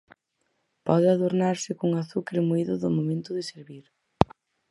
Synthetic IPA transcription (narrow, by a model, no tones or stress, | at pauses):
pɔðɪaðoɾnaɾsɪkoŋaθukɾɪmuiðʊðʊmomẽnt̪ʊðɪseɾβiɾ